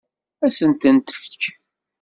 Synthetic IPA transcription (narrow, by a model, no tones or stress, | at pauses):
æsənt̪ənt̪ə̥fç